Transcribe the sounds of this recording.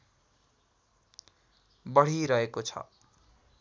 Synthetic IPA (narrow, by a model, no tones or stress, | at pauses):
bʌɽ̤iɾʌekot͡sʰʌ̰